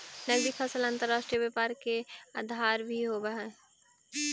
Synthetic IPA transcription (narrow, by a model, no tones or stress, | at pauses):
nəɡɾikʰəsəlãnt̪əɾːaːʃʈɾijəbəpaːɾkea̰ːd̪ʱaːɾbʱiɦobəɦɛ